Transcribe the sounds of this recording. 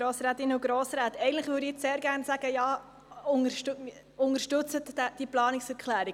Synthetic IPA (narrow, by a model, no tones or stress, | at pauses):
ɾoːsɾaːt̪ɪnːəuɡ̥ɾɔːsɾaːtɛɪɡəntləχʋʏːɾiɪt͡sseːɾɡæːɾnsæɡ̥əjɑː | ʊŋəʃt | ʊŋəɾʃtʉt͡sətdɛd̥iplɑːnɪksɛɾkχlæːɾɪ